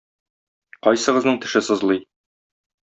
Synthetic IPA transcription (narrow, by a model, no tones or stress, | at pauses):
qɒjsɤ̆ʁɤ̆znɤɴt̪ɘ̆ʃɘsɤ̆zlˠɤj